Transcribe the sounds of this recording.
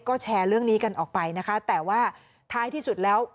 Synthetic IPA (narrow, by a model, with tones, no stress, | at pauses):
kɔː˥˩t͡ɕʰɛː˧ɾɯ˥˩əŋniː˦˥ka˧nʔɔː˨˩k̚pa˧jna˦˥kʰa˦˥t̪ɛː˨˩waː˥˩ | t̪ʰaː˦˥jt̪ʰiː˥˩su˨˩t̪̚lɛː˦˥w